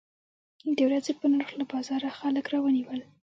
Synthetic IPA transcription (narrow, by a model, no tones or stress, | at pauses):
d̪ewɾazepənaɾxlabɑzɑɾaxaləkɾɑwəniwəl